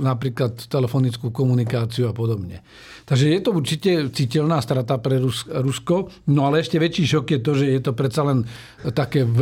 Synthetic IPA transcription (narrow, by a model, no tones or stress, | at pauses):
napɾiːklat̪ːɛlɛfɔnit͡skuːkɔmunikaːt͡siuapɔd̪ɔbɲɛ̰ | t̪aɡʒɛjɛt̪ɔuɾt͡ʃicɛt͡siːcɛlnaːst̪ɾat̪apɾɛɾusɾuskɔ | nɔalɛɛʃcɛʋɛt͡ʃiːʃɔkjɛt̪ɔʒɛjɛt̪ɔpɾɛt̪salɛn | t̪akɛːʋ